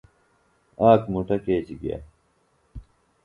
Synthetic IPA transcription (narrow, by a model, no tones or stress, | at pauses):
aːkmuʈɐkeːt͡ɕiɡḭja̰